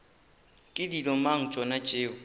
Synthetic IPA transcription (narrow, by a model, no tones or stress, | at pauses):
kʼɪdilɔmaŋ̩t͡ʃʼɔnat͡ʃʼeːʊ